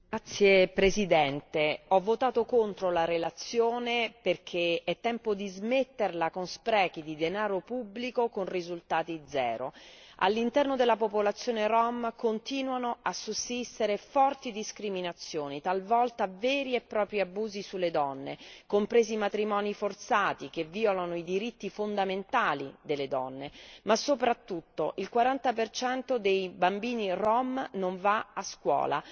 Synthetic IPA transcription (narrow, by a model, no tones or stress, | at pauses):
at̪sːjepɾezid̪ɛnt̪eɔvːot̪aːt̪okont̪ɾolaɾelat̪sːjoːneperk̟ʰeɛt̪ːɛmpod̪izmet̪ːerlakonspɾɛːkid̪id̪enaːɾopubːlikokonrizult̪aːt̪id̪zɛ̰ːɾo̰a̰lːint̪ɛrnod̪elːapopolat̪sːjoːneɾɔmkont̪iːnwanoasːusːist̪eɾefɔrt̪id̪iskɾiminat̪sːjoːnit̪alvɔlt̪avɛːɾiepːɾɔːpɾiabuːzisulːed̪ɔnːḛkompɾeːzimat̪ɾimɔːnifort̪saːt̪ikevːiːolanoid̪iɾit̪ːifond̪ament̪aːlid̪elːed̪ɔnːemasːopɾat̪ːut̪ːoʔilkwaɾant̪apert͡ʃɛnt̪od̪ejbambiːnirɔmnoɱvaaskwɔ̰ːla̰